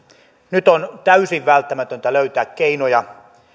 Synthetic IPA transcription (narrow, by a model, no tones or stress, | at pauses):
nyt̪ont̪æysiʋʋælt̪ːæmæt̪ønt̪æløyt̪æːkkeinojɑ